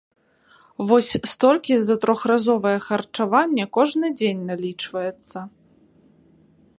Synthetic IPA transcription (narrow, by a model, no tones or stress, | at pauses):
vɔsʲst̪ɔlʲkʲizɐt̪ɾɔxrazɔvɐjɛxɐrt͡ʂavanʲːɛkɔʐnɨd͡zʲenʲnalʲit͡ʂvɐjɛt̪sːɐ